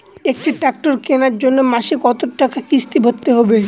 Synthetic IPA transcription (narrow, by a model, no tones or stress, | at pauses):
ek̚ʈiʈak̚ʈoɾkenaɾd͡ʑonːomaʃikɔt̪oʈːakakist̪ibʱot̪ːeɦɔbe